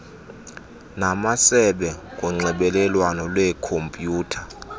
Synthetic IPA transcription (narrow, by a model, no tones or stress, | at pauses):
namasɛɓɛk̬ʼuŋ͡ǀɛɓɛlɛlwanɔlwɛkʰompʼjuːtʰa